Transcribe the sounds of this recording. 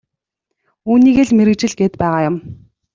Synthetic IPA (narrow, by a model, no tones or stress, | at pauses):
uːniːɣeːɮmeɾɘ̆kt͡ɕɪ̆ɮɡeːt̪pæːʁaːjʊm